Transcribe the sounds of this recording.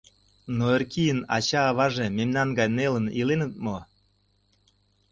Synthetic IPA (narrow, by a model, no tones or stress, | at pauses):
noerkijənɑ̰t͡ɕɑːβɑʒememnɑnɡɑjnelənilenə̆t̪̚mo